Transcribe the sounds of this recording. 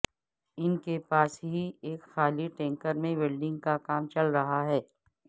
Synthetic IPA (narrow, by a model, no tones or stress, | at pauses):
ɪnkepaːsɦieːkxaːliʈɛ̃ːŋkəɾmẽbɪlɖɪ̃ŋɡkakaːmt͡ʃɐlɾɐɦaɦɛː